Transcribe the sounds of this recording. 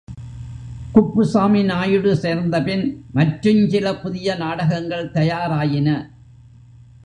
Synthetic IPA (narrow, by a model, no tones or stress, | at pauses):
kʊpːɯsaːmɪnaːjɯɽɯseːɾnd̪ɐpɪnmɐʈɾɯɲt͡ʃɪlɐpʊðɪjɐnaːɽɐɣɐŋɡɐɭt̪ɐjaːɾaːjɪnɐ